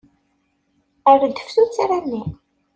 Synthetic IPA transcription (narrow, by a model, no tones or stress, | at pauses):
əɾd̪ə̥fθut͡sːaɾanːi